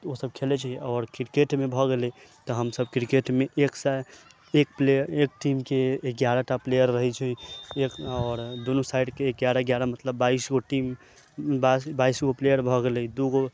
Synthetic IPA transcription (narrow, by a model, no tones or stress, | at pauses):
osəb̚kʰelɛt͡ʃʰɛɔːɾkɾikeʈmebʱɔɡelɛt̪ɔɦəmsəbkɾikeʈmeʔeksa | ekpleek̚ʈimkeːɡjaɾaʈaplejəɾːəɦɛt͡ʃʰɛekɔːɾd̪unusaiɖkeːkɡjaɾaɡjaɾamət̪ləbːaisɡoʈim | basbaisɡoplejəɾbʱɔɡelɛd̪uɡo